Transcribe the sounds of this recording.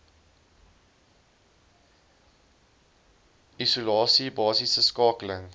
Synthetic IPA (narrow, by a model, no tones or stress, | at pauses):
ʔisulɑːsibɑːsisəskɑːkələŋ